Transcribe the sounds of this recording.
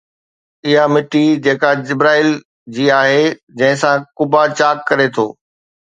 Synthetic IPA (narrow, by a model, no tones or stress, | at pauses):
ɪɦamɪʈid͡ʑeːkad͡ʑɪbɾaːil | d͡ʑiːaːɦed͡ʑɐ̃ɦɪ̃sãkʊbat͡ɕaːkːɐɾet̪ʰo̰ː